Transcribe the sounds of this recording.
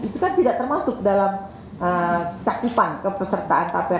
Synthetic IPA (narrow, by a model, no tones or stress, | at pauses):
it̪ukant̪idaʔt̪ərmasʊk̚dalam | ʔət͡ʃakup̪ankəpəsərt̪aʔant̪apɛ